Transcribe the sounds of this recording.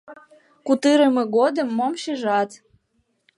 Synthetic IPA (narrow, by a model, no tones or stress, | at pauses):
kut̪ɨɾəmɤ̆ɣod̪ə̆mːomʃeʒɑt̪